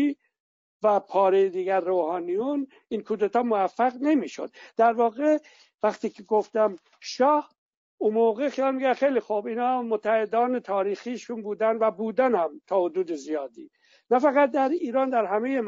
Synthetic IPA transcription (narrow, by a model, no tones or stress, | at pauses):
i | væpʰɒːɾejed̪iːɡæɾːoːhɑːnijun | inkʰuːd̪et̪ɒːmoæfːæɣne̞miːʃo̰d̪̥d̪æɾvɒːɣe | væxt̪iːkʰeɡoft̪æm | ʃɒːh | umoːɣexijɑːlmiɡæxejlixobiːnɒːmot̪ʰːæhed̪ɒːne̞t̪ʰɒːɾiːxiːʃunbuːd̪ænvæbuːd̪ænhæmt̪ʰɒːhod̪uːd̪ezijɒːd̪ḭː | næfæɣæt̪̚d̪æɾiːɾɒːnd̪æɾɦæme̞je